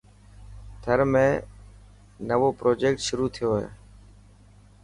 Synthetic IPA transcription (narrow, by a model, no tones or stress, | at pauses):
t̪ʰəɾmẽː | nəʋoːpɾoːd͡ʒeːkʈʃʊɾuːt̪ʰɪjoːɦḛː